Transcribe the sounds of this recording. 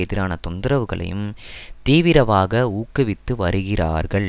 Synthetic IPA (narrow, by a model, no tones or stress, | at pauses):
ɛðɪɾaːnɐt̪ɔnd̪ɯɾɐʋɯɣɐɭɐ̰jɯ̰mt̪iːʋɪɾɐʋaːɣɐuːkːɯʋɪt̪ːɯʋɐɾɯɣɪra̰ːɾɣɐɭ